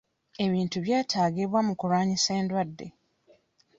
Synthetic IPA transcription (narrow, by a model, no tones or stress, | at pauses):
e̞βiːntuβjaːtʰaːɡiβwamukuɾaːɲise̞ːndwadːe̞̰